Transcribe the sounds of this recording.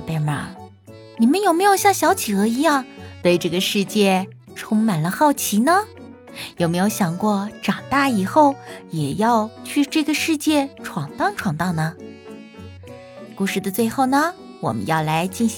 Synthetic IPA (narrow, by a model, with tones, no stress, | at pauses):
pe˥˩mə˨˥ | ni˨˩mə˦njo˨˩ʊme˧˥ɪjo˨˩ʊɕjɑ˥˩ŋɕjɑ˧˥ʊt͡ɕʰi˨˩xɤ˧˥i˧˥jɑ˥˩ŋt̪we˥˧ɪʈ͡ʂɤ˥˩ɡə˩ʂɻ̩˥˧t͡ɕjɛ˥˩ | ʈ͡ʂʰʊ˥ŋma˨˩nlə˦xɑ˥˩ʊt͡ɕʰi˧˥nə˧ | jo˨˩ʊme˧˥ɪjo˧˥ʊɕjɑ˨˩ŋkwɔ˥˧ʈ͡ʂɑ˨˩ŋt̪a˥˩i˨˩xo˥˩ʊjɛ˨˩jɑ˥˧ʊt͡ɕʰy˥˧ʈ͡ʂɤ˥˩ɡə˩ʂɻ̩˥˧t͡ɕjɛ˥˧ʈ͡ʂʰwɑ˨˩ŋt̪ɑ˥˩ŋʈ͡ʂʰwɑ˨˩ŋt̪ɑ˥˧˩ŋnə˩ | ku˥˧ʂɻ̩˥˩d̪ə˩t͡swe˥˧ɪxo˥˩ʊnə˩ | wɔ̰˨˩mə̰˦njɑ˥˩ʊla˧˥ɪt͡ɕi˥˩nɕ